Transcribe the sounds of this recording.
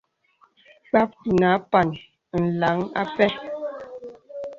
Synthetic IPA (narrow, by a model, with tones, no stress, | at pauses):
k͡pa˦p̚ti˨na˨˦pa˨n | n̩˨la˨˦ŋa̰˦pɛ˦